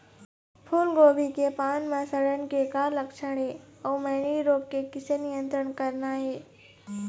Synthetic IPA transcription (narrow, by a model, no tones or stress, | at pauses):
pʰuːlɡoːbʱikepaːnmãsəɽənkekaːɾlɐkt͡ʃʰəɽeɔːməːɳiɾoːɡ̚kekɪsenɪjə̃nt̪ɾəɳkəɾnaɦeː